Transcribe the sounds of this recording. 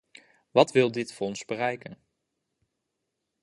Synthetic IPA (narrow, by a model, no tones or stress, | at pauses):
ʋɑtʋɪlˠdɪtfɔnzbərɛjkən